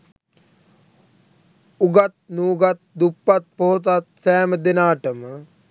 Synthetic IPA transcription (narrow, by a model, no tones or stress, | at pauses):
uɡat̪̚nuːɡat̪̚d̪upːat̪̚poɦot̪̬at̪̚sɛːməd̪enaːʈəmə